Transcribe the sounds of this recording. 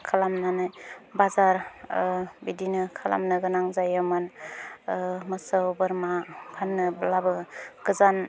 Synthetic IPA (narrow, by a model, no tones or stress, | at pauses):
kʰalamnanɯjbazaɾ | bidinɯkʰala̰mnɯɡɯnaŋzajaman | mɯsawbɯɾmakʰanːɯblabɯɡ̥ɯzan